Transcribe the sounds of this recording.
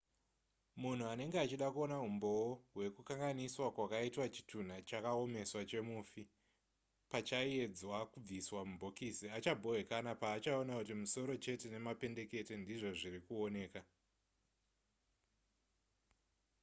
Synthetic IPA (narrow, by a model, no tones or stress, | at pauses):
mun̤uane̞ŋɡeat͡ʃiɗakuo̞naɦumbo̞woɦwe̞kukaŋɡaniswakwakaitwat͡ʃi̥tʰun̤at͡ʃakao̞me̞swat͡ʃe̞mufi | pat͡ʃaie̞d͡zwakub͡viswamubʱokisiat͡ʃabʱo̞we̞kanapaːt͡ʃao̞nakutimuso̞ɾo̞t͡ʃe̞te̞ne̞mape̞nde̞ke̞te̞ndiʐo̞ʐirikuo̞ne̞ːka